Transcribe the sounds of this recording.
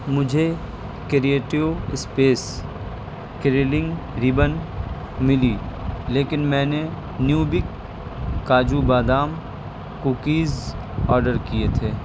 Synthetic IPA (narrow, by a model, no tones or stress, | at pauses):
mʊd͡ʒʱe | kɾieːʈɪʋɪspeːs | kɾeːlɪ̃ŋɡ | ɾɪbən | mɪlileːkɪnmɛ̃ːne | njuːbɪkː | aːd͡ʒubaːd̪aːm | kuːkiːz | ɔːɾɖəɾkiet̪ʰeː